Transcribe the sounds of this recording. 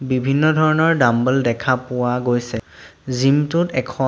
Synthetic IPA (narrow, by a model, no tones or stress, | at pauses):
bibʱinːɔdʱɔɹɔnɔɹdambəldɛkʰapʊwaɡojsɛzimtʊtɛkʰɔ